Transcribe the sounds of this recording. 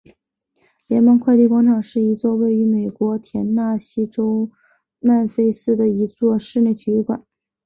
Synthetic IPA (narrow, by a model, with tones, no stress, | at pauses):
ljɛ˧˥nmə˥˧nkʰwa˥˧ɪt̪i˥˩kwɑ˥ŋʈ͡ʂʰɑ˨˩ŋʂɻ̩˥˩i˧˥t͡swɔ˥˧we˥˩ɪy˧˥me˨˩ɪkwɔ˧˥t̪ʰjɛ˧˥nna˥˩ɕi˥ʈ͡ʂo˥ʊ | ma˥˩nfe˥ɪsɹ̩˥d̪ə˨i˧˥t͡swɔ˥˧ʂɻ̩˥˧njɪt̪ʰy˧˥y˥˩kwa̰˨˩˦n